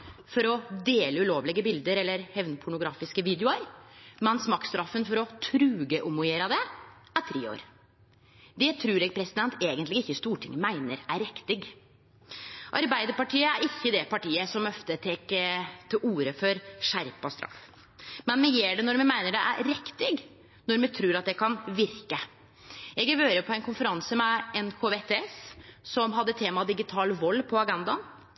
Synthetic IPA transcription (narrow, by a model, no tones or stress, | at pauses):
fɔɾɔd̪eːləʉloːʋlɪɡəbɪld̪əɾɛlːəɾhɛʋnpʰʊɳʊɡɾɑːfɪskəʋiːd̪jʊəɾmɛnsmɑːkst̪ɾɑfːənfɔɾɔt̪ʰɾʉːɡəʔʊmʊeːɾɑd̪ɛ | æt̪ʰɾeːo̰ːɾ | d̪ɛt̪ʰɾʉːɾɛːɡ̚pʰɾɛsɪd̪ɛnt̪ʰeːɡənt̪lɪɡɪçːəst̪uːʈʰɪ̰ŋmæɪnəɾæɾɛkt̪ɪɡ | ʔɑɾbæɪd̪əɾpɑʈʰiːəæɾɪçːəd̪ɛpɑʈiːəsɔmœft̪ət̪ʰeːkət̪ʰɪluːɾəfɔɾʂæɾpɑst̪ɾʔɑ̰f | mɛnmɛɡjeːɖɛnɔɾmɛmæɪnəɖɛ̰ʔæ̰ɾɾɛkt̪ɪɡ | nɔɾmɛt̪ʰɾʉːɾɑt̪̚d̪ɛkʰɑnʋɪɾkə | ɛɡɛʋøːɾəpʰɔɛnkʊnfəɾɑnsəmɛɛnkʰoːʋet̪ʰeɛssɔmɦɑd̪ːət̪ʰeːmɑd̪ɪɡɪt̪ʰɑːlʋɔlːpʰɔɑɡɛnd̪ɑn